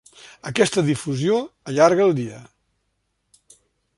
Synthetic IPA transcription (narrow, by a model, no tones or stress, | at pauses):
əkɛst̪əðifuzioəʎaɾɣəːlˠd̪iə